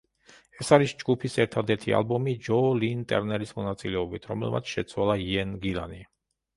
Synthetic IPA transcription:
ɛsaɾisd͡ʒɡupʰisɛɾt̪ʰad̪ɛɾt̪ʰḭa̰lˠbɔmid͡ʒɔlint̪ʼɛ̰ɾnɛɾismɔnat̪sʼilɛɔbit̪ʰɾɔmɛ̰lˠmʔat̪sʰʃɛt̪sʰwalˠaiɛnɡila̰ni

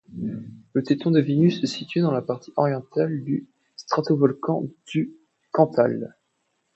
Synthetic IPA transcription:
lət̪et̪ɔ̃d̪əvinysɛsit̪ɥed̪ɑ̃lapaʁt̪ʰiʔɔʁjɑ̃t̪ald̪y | st̪χat̪ovɔlkɑ̰̃d̪̥y | kɑ̃t̪ʰal

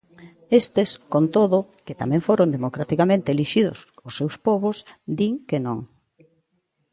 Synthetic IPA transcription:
est̪eskont̪oðʊkɪt̪a̰mɛ̃ŋfoɾond̪emokɾat̪ikamẽnt̪eeliʃiðʊ̰sosːewspɔβʊsd̪iŋkenõŋ

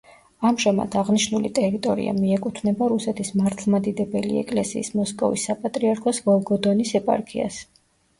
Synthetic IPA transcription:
amʒama̰d̪aʁniʃnulit̪ʼɛɾit̪ʼɔɾḭa̰miɛkʼut̪ʰnɛbaɾusɛt̪ʰismaɾt̪ʰlˠmad̪id̪ɛbɛlḭɛ̰kʼlɛsḭːsmɔskʼɔ̰visːapʼat̪ʼɾiaɾkʰɔsvɔlˠɡɔd̪ɔnisɛpʼa̰ɾkʰḭa̰s

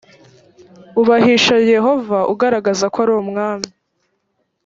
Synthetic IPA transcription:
uβahiʃaje̞ɦo̞vaʔṵɡaɾaɡazakaɾomŋaːmi

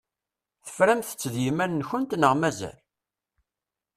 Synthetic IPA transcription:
θə̥fɾæmθə̥t͡sːðjimænːçənt̪nəʁmæzæ̰l

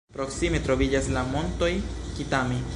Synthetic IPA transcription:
pɾoksimet̪ɾoβid͡ʒaslamont̪ojkit̪ami

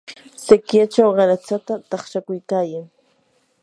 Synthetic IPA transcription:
sekjat͡ʃawɢɑɾat͡sat̪at̪ɑχʃakʊjkaːjaŋ

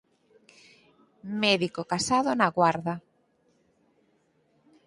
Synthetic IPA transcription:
mɛðikokasaðonaɣwaɾða

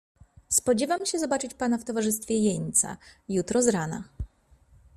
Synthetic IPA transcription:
spɔd͡ʑɛvamɕɛzɔbat͡ʂɘt͡ɕpanaft̪ɔvaʐɘst̪fʲjɛjɛɲt̪sa̰jut̪ɾɔzɾana̰

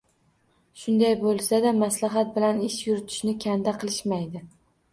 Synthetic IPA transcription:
ʃʊnd̪ajbolˠsad̪amaslaɦat̪̚bɪlanɪʃjʊɾɪt̪ʰɪ̥ʃnɪkʲʰand̪aqʰɨlˠɪʃmajd̪ɪ

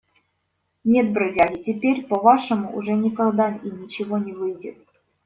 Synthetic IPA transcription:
nʲet̪̚bɾodʲalʲitʲepʲerʲpovɑʂə̆muʔṵʐɛnʲikɑɣd̪ɑinʲit͡ɕɪvonʲɪvɨjdʲɪt̪

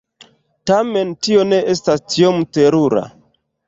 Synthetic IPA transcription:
tame̞ntio̞ne̞ʔestastiomteɾuɾa̰

